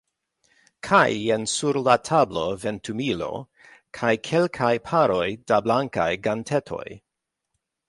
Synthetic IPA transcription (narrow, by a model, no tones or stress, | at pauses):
kʰa̰jensuɾlatʰablo̞ventʰumilo̞̰ | kʰajkʰe̞lkʰajpʰaɾo̞jdablaŋka̰jɡantʰetʰo̞̰j